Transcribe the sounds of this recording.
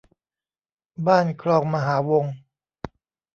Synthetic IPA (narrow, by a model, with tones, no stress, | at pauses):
baː˥˩nkʰɾɔː˧ŋma˧ɦaː˩˦wo˧ŋ